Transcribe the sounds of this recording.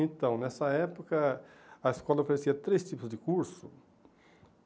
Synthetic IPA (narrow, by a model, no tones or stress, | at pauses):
ẽnt̪ɐ̃w̃nɛsɐɛpokɐɐeskɔlɐofeɾesiɐt̪ɾest͡ʃipʊzd̪ɪkuɾsʊ